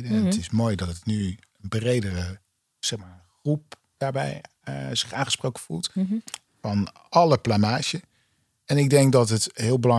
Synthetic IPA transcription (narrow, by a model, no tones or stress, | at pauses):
dəətɪsmojdɔtətny | ənbrejdərə | sɛχmaːɹəχrup̚ | d̥aːɹbɛ̰j | zɪχaːnχəsprowkəvṵlˠt | fɑn | ʔɑləplamaːʃə | ɛnɪɡ̚dɛŋk̚dɑtətɦɪəlˠbəlɑ